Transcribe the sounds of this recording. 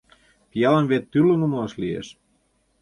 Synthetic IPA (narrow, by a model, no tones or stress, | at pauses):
pijɑlɤ̆nβet̪ːylːonumoɑʃliḛʃ